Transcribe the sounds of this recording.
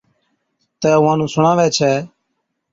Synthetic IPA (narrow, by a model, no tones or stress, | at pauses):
t̪ɛːʊʋãːnũːsʊɳãːʋɛːt͡ʃʰɛː